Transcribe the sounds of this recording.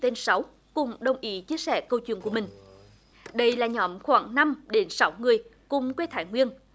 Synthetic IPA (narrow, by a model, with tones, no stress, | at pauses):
t̪e˧nsa˨˦w | kʊ˨˩ŋ͡mɗə˨˩wŋ͡mʔi˨˦t͡ɕi˧əsɛ̰˧˩kə˧wt͡ɕwḭ˧˨əku˧˩əmï˨˩ŋ̟ | ɗə˧jlaː˨˩ɲɔ˨˦mxwaː˧˩ŋna˧mɗe˨˦nsa˨˦wŋɨ˨˩əjkʊ˨˩ŋ͡mkwe˧˨˦t̪ʰaː˧˨˩jŋwi˧ən